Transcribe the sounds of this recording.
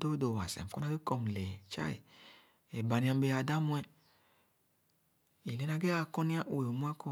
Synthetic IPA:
do˦do˨wa˨sɛ̰˨m˨kɔ˦na˧ɡe˦kɔ˧m˨lɛ˨t͡ʃa̰˦ḭ˨ | ɛ˨ba˨nĩ˧a˧m˦be˧a˨˧da˦mu˧ɛ˧ | i˨le˨˧na˧ɡe˦a˧kɔ˧ni˦a˦ʔu˨e˨o˨mu˦a˦kɔ˧

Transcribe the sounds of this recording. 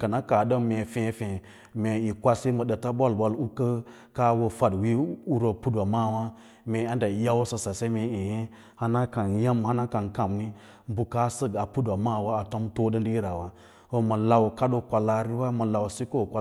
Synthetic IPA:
ka˨na˦ka˨ɗə˦me˨fẽ˨˦fẽ˨ | me˨i˨kʷa˦si˦mə˨ɗə˨ta˦bo˦˨lba˨lu˦kə˦ | ka˦wo˨fa˨dwi˦u˦ɾo˨pu˦dʷa˨ma˦˨wa˦ | me˨a˦nda˨ja˦wsə˨sa˨se˦me˨i˨je˦ | ha˦na˦ka˨nja˦mha˦na˦ka˨nka˨mni˦ | m˦bu˨ka˦sə˦ɡa˨pu˦dʷa˨ma˦˨wa˦a˨to˦mto˦də˦di˦i˦ɾa˨wa˦ | ho˦mə˨la˨wka˦ɗo˨kʷa˨la˨ɾi˦wa˦mə˨la˨wsi˦ko˦˨kʷa˨

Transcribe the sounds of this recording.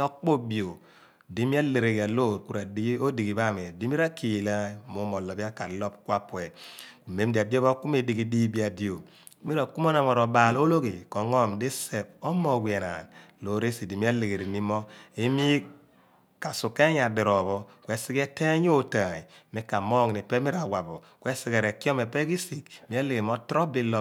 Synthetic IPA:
o˦k͡po˦bi˨o˨ | di˦mi˦a˦le˨ɾe˨ɡa˨lo˦˨ɾku˨ɾa˨di˦i˦o˦di˨ɡi˨ba˦˨me˨di˦mi˦ɾa˦ki˨la˦mu˨˦mɔ˨lɔ˨bi˦a˦ka˨lɔ˦p̚kʷa˦pwe˨me˨˦m˦di˨a˨di˦o˦ba˦ku˦me˨di˨ɡi˨˦di˦bi˦a˨di˨o˨˦ | mi˦ɾa˨ku˦mo˦na˨mɔ˨ɾo˨ba˨lo˦lo˦ɡi˨ko˨ŋɔ˦mdi˦se˨b̚o˦mɔ˨wi˨e˨na̰˨n | lo˨˦ɾe˦si˨di˨mi˦a˦le˨ɡe˨ɾi˨mi˦mɔ˦e˦mi˦ | ka˨su˨ke˦ɲ˦a˨di˨ɾɔ˨βɔ˦kʷwɛ˦si˦ke˦te˦ɲ˦o˦ta˨i˨mi˦ka˨mɔ˦ŋ˨ni˨pɛ˦mi˦ɾa˨wa˨bɔ˨ | kwe˦si˨ɡe˨ɾe˨ki˦ɔ˦me˨pe˦ki˦si˨kmi˦e˦le˨ɡe˨mɔ˦tɾɔ˦bi˨lɔ˦

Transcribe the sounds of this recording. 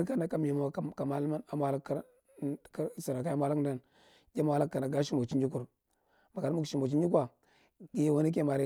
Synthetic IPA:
ɾka˦na˨ka˦m˦i˨mo˨˦˨ka˨ma˦lma˦na˨mʷa˦la˦kːa˦ɾ | ksa˨ɾa˨ka˦ja˦mʷ˦a˦la˦kda˦n | ɡʲe˦mʷ˦a˦la˦kːa˨na˨ɡa˦ʃi˦mo˨t͡ʃi˦nd͡ʒi˦ku˨ɾ | ma˨ka˨ɾmu˦kʃi˨mo˨t͡ʃi˦i˦kʷa˨ | ɡe˨˦˨wa˦ni˦k̬e˦˨ma˨ɾi˦

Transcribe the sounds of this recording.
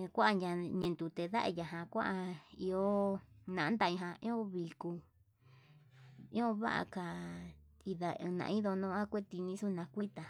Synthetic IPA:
kʷa˦ʔa˧ɲã˧ɲẽ˧nt̪u˧t̪e˧ða˦ʔa̰˧ja˨ɦã˧kʷã̰˦ʔa˧i˧o˦nã˨˦nd̪a˧ĩ˧ɦã˧ĩ˦õ˦βi˧ku˧ | ĩ˦õ˦βa̰˦ʔa̰˧ka˧˨ | i˧ðã˧nã̰˧ĩ˦ðo˧nõ˧˦a˦kʷe˦t̪i˧nĩ˧˦su˦nã˧kʷi˦t̪a˨

